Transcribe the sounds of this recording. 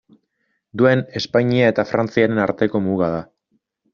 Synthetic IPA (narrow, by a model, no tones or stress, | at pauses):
d̪ue̞ne̞spaɲiae̞t̪afɾant͡siaɾe̞naɾt̪e̞ko̞muɣað̞a